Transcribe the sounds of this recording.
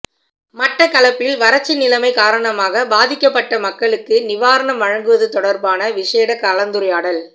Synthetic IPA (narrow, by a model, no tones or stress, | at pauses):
mɐʈrɐkɐlɐpːɪlʋɐɾɐt͡ʃːɪnɪlɐmɐɪkaːɾɐɳɐmaːɣɐbaːðɪkːɐpːɐʈːɐmɐkːɐɭɯkːɯnɪʋaːɾɐɳɐmʋɐɻɐŋɡɯʋɐðɯt̪ɔɽɐɾbaːnɐʋɪʂeːɽɐkɐlɐnd̪ɯɾɐjaːɽɐl